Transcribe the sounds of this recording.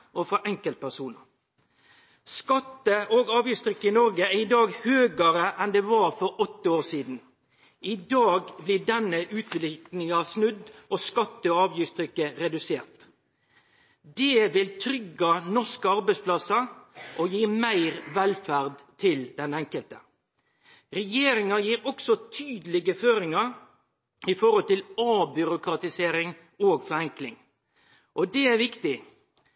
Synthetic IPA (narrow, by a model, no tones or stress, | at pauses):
ʔɔfɑʔɛŋkəlt̪̚pʰæʂuːnə | skɑt̪ːəʔɔɡɑːʋjɪst̪ʰɾʏkːəɪnɔɾɡəæɾɪd̪ɑːɡhøːɡəɾəʔɛnd̪ɛʋɑɾfɔɾɔt̪ːəoːsiːd̪n̩ | ɪd̪ɑːɡblɪd̪ɛnːəʔʉːt̪ʰʋlɪknɪŋɑsnʉd̪ːʔɔskɑt̪ːəɔɑːʋjʏst̪ʰɾʏkːəɾɛd̪ʉseːʁt̪ | d̪ɛʋɪlt̪ʰɾʏɡɑnɔskəɑɾbæɪspʰlɑsɑʔɔjiːmæɪʁʋɛlfæʁd̪t̪ʰɪld̪ɛnɛŋkəlt̪ə | ɾɛjeːɾɪŋɑjiːɾɔksɔt̪ʰyːd̪əlɪɡəføːɾɪŋɑɾ | ɪfɔɾɔlt̪ɪlɑːbʏɾʊkɾɑt̪ɪseːɾɪŋ | oːɡfɔɾɛŋklɪŋ | ʔɔd̪ɛæʋɪkt̪ɪ